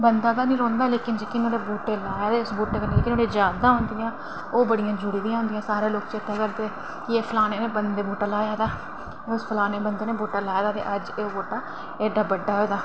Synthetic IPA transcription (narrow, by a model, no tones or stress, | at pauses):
bənd̪aːd̪aːnĩːɾɔ̃ːnd̪aːleːkɪnd͡ʒiːkɪnoːɾeːbuːʈeːlaːjaːd̪eːʊsbuːʈeːkəneːeːkɪnoːɽeːd͡ʒjaːd̪ãːɦʊ̃ːnd̪ɪjãː | oːbəɽɪjãːd͡ʒʊɽiːd̪ijãːʊ̃nd̪ɪjãːsaːɾeːloːkt͡ʃt̪ːakəɾt̪eː | kɪeːpʰlaːneːnẽːbənd̪eːbuːʈaːlaːjaːd̪aː | ʊspʰəlaːneːbənd̪eːneːbuːʈaːlaːjd̪aːt̪ḛːʔəd͡ʒeːobuːʈaː | eːɖaːbəɖːaːɦoːd̪aː